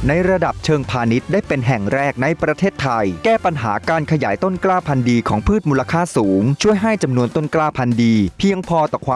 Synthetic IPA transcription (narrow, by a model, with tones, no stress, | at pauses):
na˧jɾa˧da˨˩p̚t͡ɕʰɤː˧ŋpʰaː˧ni˦˥t̪̚daː˥˩jpe˧nɦɛ˨˩ŋɾɛː˥˩k̚na˧jpɾa˧t̪ʰeː˥˩t̪ʰːa˧jkɛː˥˩pa˧nɦa̰ː˩˦kaː˧nkʰa˧jaː˩˦jt̪o˥˩nklaː˥˩pʰa˧ndiː˧kʰɔː˩˦ŋpʰɯː˥˩t̪̚muː˧la˧kʰaː˥˩suː˩˦ŋt͡ɕʰu˥˩əjɦa˥˩jt͡ɕa˧mnu˧ənt̪o˥˩nklaː˥˩pʰa˧ndiː˧pʰi˧əŋpʰɔː˧t̪ɔː˨˩kʰwaː˧